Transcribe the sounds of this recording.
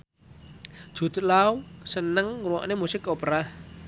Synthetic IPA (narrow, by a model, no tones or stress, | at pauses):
ʒ̥ṳd̪̥̤lausənəŋruwɔ̰ʔnemusɪkopɾa